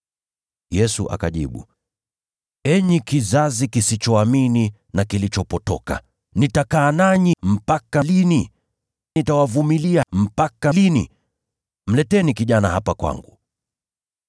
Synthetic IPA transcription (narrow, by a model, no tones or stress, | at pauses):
jɛsuʔa̰kaʄḭɓṵ | ɛɲikizazikisit͡ʃɔamini | nakilit͡ʃɔpɔtɔka̰ | nitakaːnaɲim̩pakalini | nitawavumiliam̩pakalinḭ | m̩lɛtɛnikiʄanahapakwa̰ŋɡu